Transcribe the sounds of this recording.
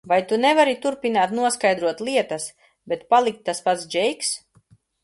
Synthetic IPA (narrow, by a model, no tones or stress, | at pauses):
vajt̪unɛvaɾit̪uɾpinaːt̪nuɔskajd̪ɾuɔt̪lˠiɛt̪as | bɛt̪palˠik̚t̪ːaspat̪sd͡ʒɛjks